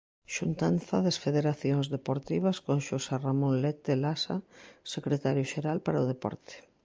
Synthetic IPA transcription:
ʃunt̪anθaðesfeðeɾaθjoŋzðepoɾt̪iβaskoŋʃoseramõnlɛt̪elasa̰sekɾet̪aɾjʊʃeɾalpaɾaʊð̞epɔ̰ɾt̪e̥

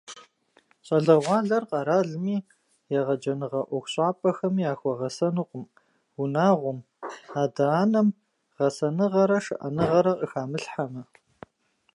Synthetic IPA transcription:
ɕʼɐɮɐʁʷɑːɮɐrqʼɑɾaːɮɨmiː | jaʁɐd͡ʒɐnɨʁɐʔʷɔxʷɕʼɑːpʼɐxɐmiːaːxʷɔʁɐsɐnɨqʷʼʊm | unaːʁʷʊm | aːdɐaːnɐm | ʁ̥ɐsɐnɨʁɐɾɐʂɨ̰ʔɐ̰nɨʁɐɾɐʔəxaːmɨɬħamɐ

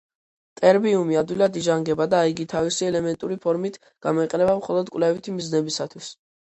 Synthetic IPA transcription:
t̪ʼɛɾbiumiad̪wilad̪iʒaŋɡɛbad̪aːiɡit̪ʰavisiɛlɛmɛnt̪ʼuɾipʰɔɾmit̪ʰ | ɡ̥amɔiqʼɛnɛbamχɔlˠɔd̪kʼwlɛvit̪ʰimiznɛbisat̪ʰwis

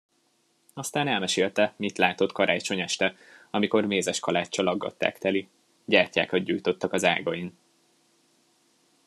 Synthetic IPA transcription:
ɒst̪aːnɛlmɛʃeːlt̪ɛmit̪laːt̪o̞t̪kɒɾʔaːt͡ʃo̞ɲɛʃt̪ɛ | ɒmiko̞rmeːzɛʃkɒlaːt͡ʃːɒlɒɡːɒ̰t̪ːa̰ːkt̪ɛli | ɟaːrca̰ːkɒd̪̚ɟuːjt̪o̞t̪ːɒkɒza̰ːɡɒin

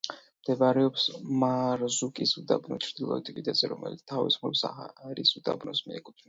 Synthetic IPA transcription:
md̪̥ɛvaɾɛɔpsmaɾzukʼisud̪abnɔt͡ʃʰɾd̪̥ilˠɔ̰it̪ʰʼpid̪ɛzɛɾɔmɛ̰lit̪st̪ʰavḭsχɔpsa̰ɾisud̪a̰bnɔsmiɛkʼut̪ʰna

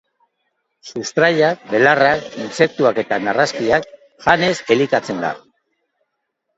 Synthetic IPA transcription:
sust̪ɾaʎak̚be̞larakinse̞k̚t̪uake̞t̪anaraskiak̚ | ʝane̞se̞likat͡se̞nd̪a̰

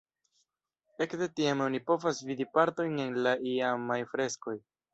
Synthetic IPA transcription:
e̞kde̞tiamo̞nipo̞vasvid̪ipaɾto̞jne̞nlaʔiamajfɾe̞sko̞j

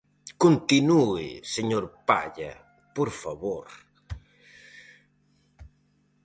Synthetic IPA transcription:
kont̪inuḭseɲoɾpa̰ʎɐ̰ | poɾfaβoɾ

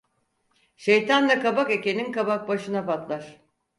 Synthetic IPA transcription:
ʃejt̪ʰand̪akabake̞ce̞ninkabak̚baʃɯnapat̪lˠaɾ̥

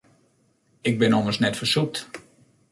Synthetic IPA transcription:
ɪɡ̚bɪnɔməsnɛtfəsuk̚t

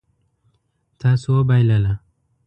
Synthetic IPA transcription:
t̪ʰasobajlala

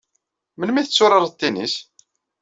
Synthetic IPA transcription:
mənmiθət͡sːʊɾəɾˤt̪ːinḭs

